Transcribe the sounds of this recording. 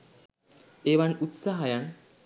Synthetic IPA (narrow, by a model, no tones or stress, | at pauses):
ebanut̪saɦajan